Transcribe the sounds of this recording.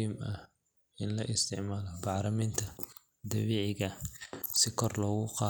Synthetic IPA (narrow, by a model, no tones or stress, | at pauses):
imɐh | ɪnlɐʔɪst̪ʰɪʕmaːlɔbɑʕɾɐmiːnt̪ʰɐ | d̪ɐβiːʕɪɣɐsɪkʰɔrlɔːɣʊqɑː